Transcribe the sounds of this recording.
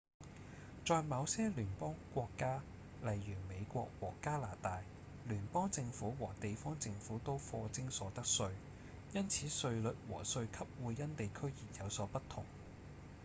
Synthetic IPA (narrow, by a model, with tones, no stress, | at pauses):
t͡sɔː˨˧jmɐ˨˧wsɛː˥lyː˨˩npɔː˥ŋkʷɔː˧kːaː˥ | lɐ˨˩jːyː˨˩me˨˧jkʷɔ̰ː˧k̚wɔː˨˩kaː˥laː˨˩t̪aː˨j | lyː˨˩npɔː˥ŋt͡sɪ˧ŋfuː˨˥wɔː˨˩t̪e˨jfɔː˥ŋt͡sɪ˧ŋfuː˨˥t̪o˥wfɔː˧t͡sɪ˥ŋsɔː˨˥t̪ɐ˥k̚sɵ˧ɥ | jɐ˥nt͡sʰiː˨˥sɵ˧ɥlɵ˨t̚wɔ̰ː˨˩sɵ˧ɥkʰɐ˥p̚wuː˨˧jːɐ˥nt̪e˨jkʰɵ˥ɥjiː˨˩t̚jɐ˨˧wsɔː˨˥pɐ˥t̪ʰʊ̰˨˩ŋ